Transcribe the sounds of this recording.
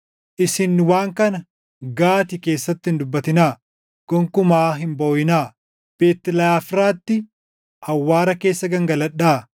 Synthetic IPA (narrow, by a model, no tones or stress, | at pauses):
ʔɪsɪnːɪwaːŋkɐnɐ | ɡaːt̪ɪke̞ːsːɐt̪ːɪhɪnd̪ʊbːɐt̪ɪnaː | ɡ̥ɔŋkʊmaːɦɪmboːjɪnaː | b̥eːt̪ːɪlɐjaːfɾaːt̪ːɪ | ʔɐwːaːɾɐke̞ːsːɐɡɐŋɡɐlɐᶑaː